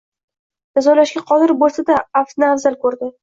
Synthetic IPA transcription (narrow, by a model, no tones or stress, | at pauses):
d͡ʒazɒlaʃɡʲaqʰɒd̪ɪɾbolˠsad̪aːft̪navzalkʰɵɾd̪ɪ